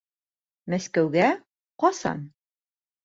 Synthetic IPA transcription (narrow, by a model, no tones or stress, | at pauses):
mæskæwɡæ | qɒsɑ̰n